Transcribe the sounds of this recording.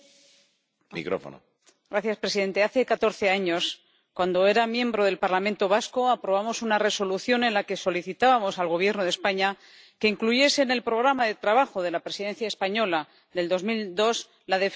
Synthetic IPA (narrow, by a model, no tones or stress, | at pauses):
mḭkɾo̰fo̰no̰ | ɡɾaθjaspɾe̞siðe̞nt̪e̞aθe̞kat̪o̞ɾθe̞aɲo̞s | kwand̪o̞e̞ɾamjẽ̞mbɾo̞ðe̞lpaɾlamẽnt̪o̞β̞asko̞apɾo̞β̞amo̞sunare̞so̞luθjo̞nẽ̞nlake̞so̞liθit̪aβamo̞salɣ̞o̞β̞je̞ɾnoð̞espaɲa | ke̞iŋkluʝe̞se̞ːne̞lpɾo̞ɣ̞ɾamaðe̞t̪ɾaβaxo̞ðe̞lapɾe̞siðe̞n̟θjae̞spaɲo̞la | ðe̞ld̪o̞zmild̪o̞s | laðe̞f